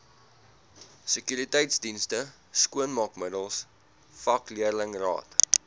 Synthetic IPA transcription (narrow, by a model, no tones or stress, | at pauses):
səkyɾitɛjtsdinstə | skuənmɐkmədəlˠs | fɐkliərləŋrɑ̰ːt